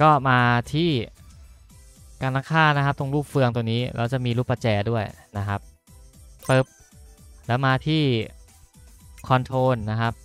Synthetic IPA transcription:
kɔː˥˩maː˧t̪ʰiː˥˩ | kaː˧nːa˦˥˩kʰaː˥˩nna˦˥kʰa˦˥t̪o˧ŋluː˥˩p̚fɯ˧əŋt̪̬ə˧niː˦˥lɛ̰˦˥wt͡ɕa˨˩ʔmiː˧luː˥˩pːa˧˩t͡ɕɛː˧du˥˩əjna˦˥kʰa˦˥p̚ː | ɤ˦˥p̚ | lɛː˦˥wmaː˧t̪ʰiː˥˩ | kʰɔː˧nt̪ʰoː˧nːa˦˥kʰa˦˥p̚

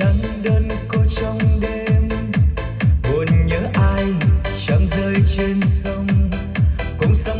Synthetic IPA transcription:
ə˨˦nɗəː˧n | ko˧˦t͡ɕɔ˧wŋ͡mɗe˧m | mu˨ənɲəː˨˦ʔaː˧jt͡ɕə˨˧˩ŋ͡mzəː˧jt͡ɕe˧nsə˧wŋ͡m | kʊ̰˧˥ŋ͡msə˧˦

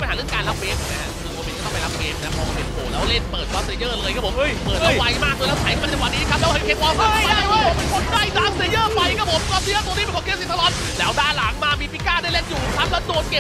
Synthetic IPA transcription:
pnhaː˦ɯ˥˩əŋkaː˧la˦˥p̚keː˧m˨˩na˦˧a˧˥kʰɯː˧woː˧me˧ntkɔ˧˩˥ma˧˩la˦˥p̚keː˧mna˦˥pʰɔː˧pe˧˩oː˨˩lɛː˦˥wle˥˩npəɤː˨˩t̪̚kaː˨˧˥sjɤː˧˩lɤː˧jkʰa˦˥pʰo˩˦˧jpəː˨˩t̪ʔa˧wa˦˥jmaː˥˩k̚lɤː˧jlɛ˦˥wt͡ɕʰa˨˦jʰkɔ˥˩˧t͡ɕːwaː˨˩niː˦˥˧ka˦˥p̚lːkeː˦˧˥p̚wɔː˧˥a˧˥˧daː˥˩a˧˨˧a˧ko˧˩n̚daː˧˥˩jtaː˨˦sjɤː˥˩pa˧jkʰa˦˥pʰo˨˦mkɔː˧˥sʰi˧˥˨t̪u˧niː˦˥pnkʰa˧kʰe˧˥si˨˩t̪ʰa˧lɔː˨˥n | lɛː˦˥wdaː˧˩la˩˦ŋmaː˧miː˧pʰi˦˥kːaː˥˩daː˥˩jlɛː˧˥˩k̚juː˨˩˨kʰa˦˥p̚lɛː˦˥doː˧nkeː˧

